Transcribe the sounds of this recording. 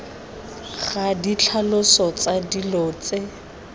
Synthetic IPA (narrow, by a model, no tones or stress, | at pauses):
ɣadit͡ɬʰalʊsɔt͡sadiloːt͡se